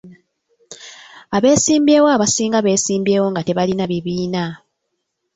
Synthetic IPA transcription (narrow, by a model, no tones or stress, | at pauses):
aβe̞ːsiːmbeːwaːβasiːŋɡaβe̞ːsiːmbe̞ːwo̞ŋɡate̞βalinaβiβiːna